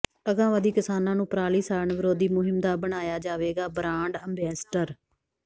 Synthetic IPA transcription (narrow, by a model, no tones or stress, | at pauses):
əɡãːʋãːd̪iːkɪsaːnãːnũːpɾaːliːsaːɾəɳʋɪɾoːd̪iːmʊɦɪmd̪aːbəɽ̃aːjaːd͡ʒaːʋeːɡaːbɾãːɳɖəmbɛːsʈəɾ